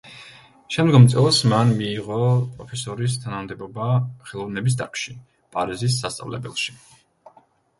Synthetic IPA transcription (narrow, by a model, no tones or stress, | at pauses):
ʃɛmd̪ɡɔmt̪sʼɛlˠsmanmiːʁɔpʼɾɔpʰɛsɔɾis̬t̪ʰanamd̪ɛbɔbaχɛlˠɔvnɛbis̬d̪a̰kʰʃi | pʼaɾizis̬ːast̪sʼa̰vlɛ̰bɛlˠʃi̥